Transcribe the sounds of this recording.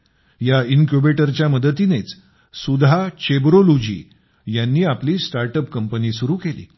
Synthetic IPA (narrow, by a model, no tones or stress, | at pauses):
jainkjubeʈəɾt͡ɕjaməd̪ət̪inet͡s | sud̪ʱat͡ɕebɾolod͡ʑḭː | janːiːapliːsʈaɾʈəp̚kəmpəniːsuɾuːkelḭː